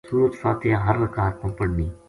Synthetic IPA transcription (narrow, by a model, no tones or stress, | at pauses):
suːɾət̪faːt̪ʰɪjãɦɐɾːɐkaːt̪̚pɐ̃mpəɽniː